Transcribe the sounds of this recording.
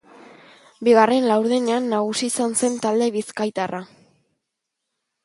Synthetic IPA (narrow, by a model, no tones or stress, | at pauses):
biɣare̞nlawɾðene̞anːaɣ̞usiːsanse̞nt̪ald̪e̞βiskajt̪ara